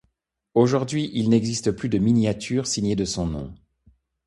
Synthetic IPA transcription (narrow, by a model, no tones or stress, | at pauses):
oʒuʁd̪ɥiʔilnɛɡzist̪əplyd̪əminjat̪ʰyːʁsiɲed̪əsɔ̃nɔ̰̃